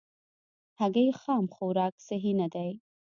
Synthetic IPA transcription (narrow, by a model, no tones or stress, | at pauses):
haɡajexɑmxowɾɑksaɦinad̪aj